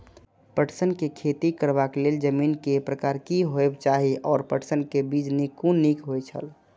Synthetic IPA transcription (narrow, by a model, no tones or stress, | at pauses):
pəʈsənkekʰet̪ikəɾbakleld͡ʒəminkepɾəkaɾkiɦoebt͡ʃaɦiʔɔːɾpəʈsənkebid͡ʒnikunikɦojt͡ʃʰə̰l